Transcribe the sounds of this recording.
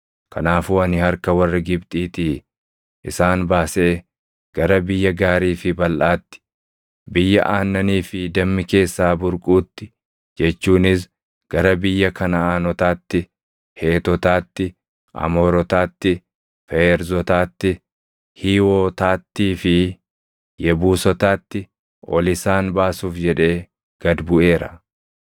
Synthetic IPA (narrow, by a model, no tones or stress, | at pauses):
kɐnaːfuːɐnɪhɐɾkɐwɐrːɪɡɪbt̪ʼiːt̪ɪ | ʔɪsaːnbaːse̞ː | ɡ̥ɐɾɐbɪjːɐɡaːɾiːfɪbɐlʔaːt̪ːɪ̥ | bɪjːɐ̰ʔaːnːɐniːfɪd̪ɐmːɪke̞ːsːaːbʊɾkʼuːt̪ːɪ̥ | d͡ʒɛt͡ʃːuːnɪs̬ | ɡ̥ɐɾɐbɪjːɐkɐnɐaːnɔt̪aːt̪ːɪ | heːt̪ɔt̪aːt̪ːɪ | ʔɐ̰moːɾɔt̪aːt̪ːɪ | fɛɛɾzɔt̪aːt̪ːɪ | hiːwoːt̪aːt̪ːiːfɪ | jɛbuːsɔt̪aːt̪ːɪ | ʔɔ̰lɪsaːnbaːsuːfd͡ʒɛᶑe̞ː | ɡ̥ɐd̪bʊʔe̞ːɾɐ